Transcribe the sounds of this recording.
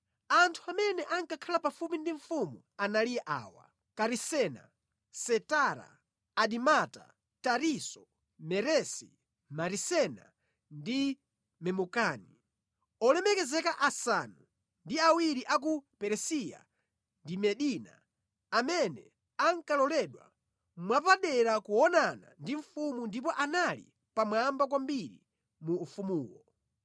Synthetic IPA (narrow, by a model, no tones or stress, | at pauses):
antʰuamɛnɛʔaŋkakʰalapafupindiɱfumu | analijɛʔa̰ːwa̰ | kaɾisɛna̰ | sɛtaɾa̰ː | ɗimata̰ | taɾisɔ | mɛɾɛsi | maɾisɛna̰ | ndi | mɛmukaːni | ɔlɛmɛkɛzɛkaʔasanu | ndiawiɾiʔak̬upɛɾɛsija̰ | ndimɛɗina̰ː | mɛnɛ | aŋkalɔlɛɗwa̰ | mwapaɗɛɾakuɔnana̰ndiɱfumundip̬ɔʔanalḭ | pamwambakwambiɾḭ | muːfumuːwɔ